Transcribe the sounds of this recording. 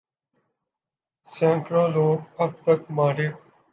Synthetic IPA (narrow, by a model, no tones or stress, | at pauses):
sẽːʈɾõːloːəb̚t̪əkmaːɽeː